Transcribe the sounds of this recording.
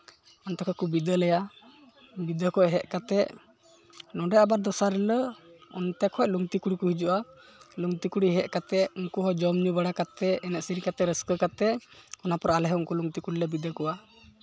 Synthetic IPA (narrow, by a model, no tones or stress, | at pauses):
ɔnt̪ɔkʰakubid̪əlɛja | bid̪əkɔʔɛɦɛʔkat̪ɛ | nɔɖɛabaɾd̪ɔsaɾɛləɔ̰nt̪ɛkʰɔc̚ˀluŋt̪ikuɽikuɦid͡ʒuʔa | luŋt̪ikuɽiɦɛʔ̚kat̪ɛunkuɦɔd͡ʒɔmɲubaɽakat̪ɛɛnɛʔsiɾikat̪ɛɾəskəkat̪ɛɔnapɔɾalɛɦɛuŋkuluŋt̪ikuɽilɛbid̪əkɔwa